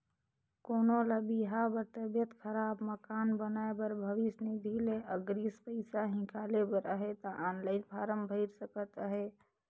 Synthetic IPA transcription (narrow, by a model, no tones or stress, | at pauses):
koːnoləbiɦabəɾt̪əbjət̪kʰəɾabməkanbənaebəɾbʱəʋisnid̪ʱileəɡɾispəɪsaɦĩkalebəɾəɦet̪əʔanləɪnpʰaɾəmbʱəɪɾsəkət̪əɦe